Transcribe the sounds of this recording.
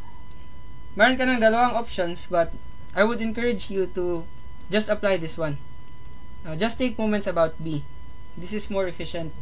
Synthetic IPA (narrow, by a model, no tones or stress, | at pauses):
mɛɾɐnkɐnɐŋd̪ɐlɐwaŋʔopʃonsbɐt̪̚ | ʔajwʊd̪ɛ̃nkɐɹɪd͡ʒjut̪u | d͡ʒɐst̪ɐplajd̪ɪswɐ̃n | ʔd͡ʒɐst̪ːejk̚mowmɛ̃nt̪sɐbawt̪̚mi | d̪ɪsɪsmɔɹɛfɪʃɛ̃nt̪̚